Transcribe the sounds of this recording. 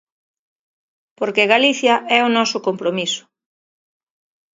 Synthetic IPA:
poɾkeɣaliθjɐʔɛʊnɔsʊkompɾomisʊ̥

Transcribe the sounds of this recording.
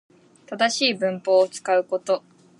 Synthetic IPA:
t̪ad̪aɕiːbɯ̟̃mpo̞ːt͡sɨ̥kaɯ̟ko̞t̪o̞

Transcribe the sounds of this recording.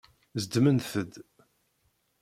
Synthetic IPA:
zd̪mənθəd̪

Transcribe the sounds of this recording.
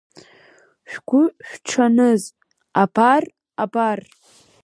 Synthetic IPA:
ʃᶣɡʷʊʃᶣʷʈ͡ʂʰanɨz | abar | abar

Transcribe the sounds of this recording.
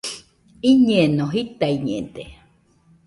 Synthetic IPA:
iɲẽnõɦit̪aiɲḛ̃nd̪e

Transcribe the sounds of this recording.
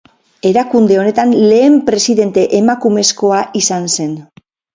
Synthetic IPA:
e̞ɾakund̪e̞o̞ne̞t̪anle̞ːmpɾe̞siðe̞nt̪e̞ʔemakume̞sko̞aʔisanse̞n

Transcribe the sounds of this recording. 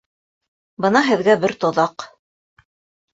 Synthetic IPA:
bɤnɑɦɘ̆ðɡæbɘɾt̪ŏðɑq

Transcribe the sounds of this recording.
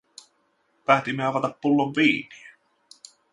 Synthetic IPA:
pæːt̪imːeɑʋɑt̪ɑpːulːoʋʋiːnie

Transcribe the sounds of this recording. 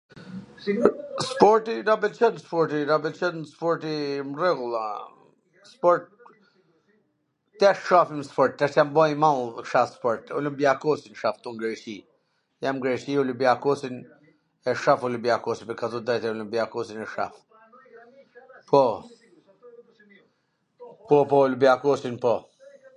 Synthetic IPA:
spɔɾt̪iɾabɛlt͡ʃənspɔɾt̪iɾabɛlt͡ʃənspɔɾt̪imrɛɡulˠa | spɔɾt̪̚ | ɛʃʃafimspɔɾt̪̚ːɛʃt̪jambɔjmalˠʃaspɔɾt̪ṵləmbiakɔsinʃaft̪uŋɡɾɛt͡ʃi | jamɡɾɛt͡ʃiulubiakɔsin | ɛʃafulubiakɔsipəkʰat̪ud̪ajt̪ɛulumbiakɔsinɛʃa̰f | pʰɔ | pɔpɔulubiakɔsinpɔ

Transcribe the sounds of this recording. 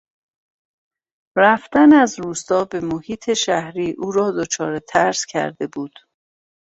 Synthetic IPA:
ræft̪ænæzɾuːst̪ɒːbe̞mohiːt̪ʰe̞ʃæhɾiːʔuːɾɒːd̪ot͡ʃʰɒːɾe̞t̪ʰæɾscʰæ̰ɾd̪e̞buːd̪̥

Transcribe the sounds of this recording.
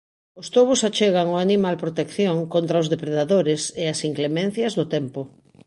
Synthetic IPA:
ʊst̪oβʊsat͡ʃeɣ̞aŋoanimalpɾot̪ekθjoŋkont̪ɾaʊzðepɾeðaðoɾɪseasiŋklemɛ̃n̟θjɐzðʊt̪ɛmpʊ

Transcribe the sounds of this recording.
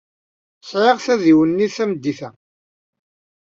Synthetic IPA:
sʕeʁθæðiwənːiθæməd̪ːiθæ

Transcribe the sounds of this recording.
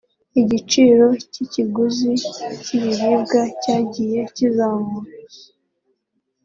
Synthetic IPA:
iɟit͡ʃiːɾo̞ciciɡuziciβiɾiːbɡacaːɟije̞cizaːmuɾa

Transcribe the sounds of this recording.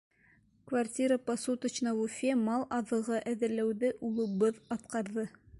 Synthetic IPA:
kvartʲiɾəpɐsut̪ə̆t͡ɕnɑvufʲemɑlˠʔɑðɤ̆ʁɤʔæðɘ̆ɾlæwðɘʔulˠɤ̆βɤðɑt̪qɑɾðɤ

